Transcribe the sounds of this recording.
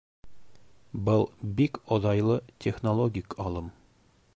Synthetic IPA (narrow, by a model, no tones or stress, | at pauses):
bɤlˠbikozɑjlˠɤtʲʰeχnolˠoɡʲikɒlˠɤm